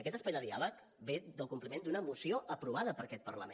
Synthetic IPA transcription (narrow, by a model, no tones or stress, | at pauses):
əkɛt̪əspajd̪əðia̰lək | beðəlˠkumplimend̪unəmusioʔəpɾuβ̞aðəpəɾəkɛt̪̚pərlə̰m